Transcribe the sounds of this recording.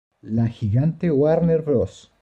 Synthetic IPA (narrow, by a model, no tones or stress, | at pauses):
laxiɣant̪ewaɾneɾbɾos